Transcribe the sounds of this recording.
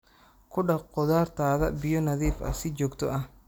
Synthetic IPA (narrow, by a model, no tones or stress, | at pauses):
kʰʊɖɐqɔðaːrt̪ʰaːðɐ̰bɪjɔnɐðiːfɐ̰sɪt͡ʃɔːɡt̪ʰɔʔɐ